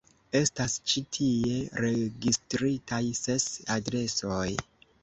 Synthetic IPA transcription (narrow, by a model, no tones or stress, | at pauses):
e̞stast͡ʃitʰie̞ɾe̞ɡistɾitʰajse̞sadɾe̞so̞j